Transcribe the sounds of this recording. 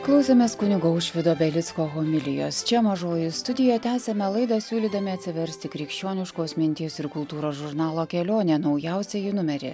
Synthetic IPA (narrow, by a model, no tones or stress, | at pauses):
klˠɐʊsʲemʲeːskʊnʲɪɡoʊʃʲʋʲɪd̪oːbʲɛlʲɪt̪skoːɦoːmʲɪlʲɪjo̰ːst͡ʃʲɛmɐʒoːjɪst̪ʊd̪ʲɪjɛt̪ʲæːsʲɛmʲɛlˠɐɪd̪ɐsʲuːlʲiːd̪ɐmʲɪɐt̪ʲsʲɪʋʲɛɾʲsʲt̪ʲɪkɾʲiːkʃʲt͡ʃʲoːnʲɪʃkoːsmʲɪnʲt̪ʲiːsɪɾkʊlˠt̪uːɾoːsʒʊɾnɑːlˠoːkʲɛlʲoːnʲeːnɒʊjæˑʊsʲɛjɪnʊmʲɛɾʲɪ̰